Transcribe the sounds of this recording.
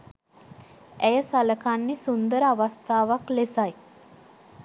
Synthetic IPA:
æjəsaləkanːisund̪əɾəaʋast̪aːʋaklesaj

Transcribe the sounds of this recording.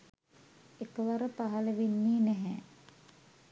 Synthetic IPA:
ekəʋaɾəpaɦaləʋenːiːnɛɦɛ

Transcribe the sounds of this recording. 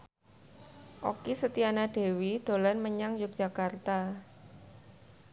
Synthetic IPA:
ʔo̰kisət̪ianaɖ̥e̤wid̪̥o̤lɛnməɲaŋjʊk̚ʒ̥a̤kart̪a

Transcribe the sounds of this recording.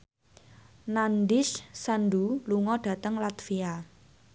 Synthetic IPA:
nandɪʃsanɖuluŋɔɖ̥ä̤t̪əŋlat̪fia

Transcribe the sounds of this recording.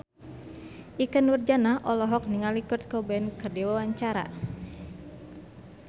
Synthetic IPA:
ʔikənurd͡ʒanaɦʔɔlɔɦɔk̚niŋalikurt̪̚kɔbɛnkərdiwawaɲt͡ʃaɾa̰

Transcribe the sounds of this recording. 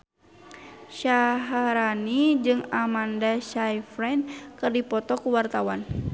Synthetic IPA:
ʃaɦaɾanid͡ʒɨŋamandaʃajfɾɛnkɨrdipɔt̪ɔkuwart̪awan

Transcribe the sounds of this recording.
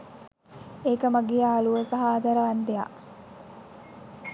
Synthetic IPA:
eːkəmaɡejaːluʋəsɐɦaːd̪ɐɾəʋand̪eja̰

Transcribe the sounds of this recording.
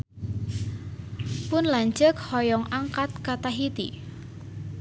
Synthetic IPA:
pʊnlaɲd͡ʒəkhɔjɔŋʔaŋkat̪̚kat̪aɦit̪ḭ

